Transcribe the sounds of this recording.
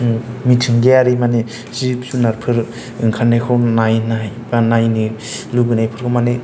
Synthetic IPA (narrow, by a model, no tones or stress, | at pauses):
mitʰɯŋɡeaɾimane | z̥ip̚sunaɾpʰɯɾ | ɯŋkʰanːakʰɯwnajnajbanajniluɡɯnajpʰɯɾkʰɯmane